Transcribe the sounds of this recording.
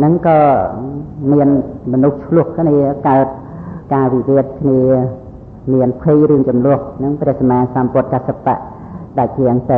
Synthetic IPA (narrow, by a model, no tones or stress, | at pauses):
nɨŋkɑː | miənmɔnuht͡ɕʰlʊ̆əhkʰniəkaət̪̚ | kaːʋiʋiət̪̚kʰniə | miənpʰijrɨəŋt͡ɕumlʊ̆əhnɨŋprɛ̆əhsamaːsampʊ̆ət̪̚kasapa̰ʔ | ɗac̚iəŋt̪ɨ